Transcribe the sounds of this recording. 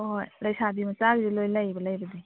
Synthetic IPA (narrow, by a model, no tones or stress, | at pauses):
ɦojlajsʰabimɐt͡ʃaɡizilojlajbɐlajbɐdi